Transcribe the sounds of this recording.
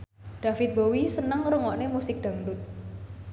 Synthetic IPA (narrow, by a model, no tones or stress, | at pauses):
ɖ̪̥a̤fɪt̪̚bowisənəŋɾuŋɔʔnemusɪk̚ɖ̪̥a̤ŋdʊt̪̚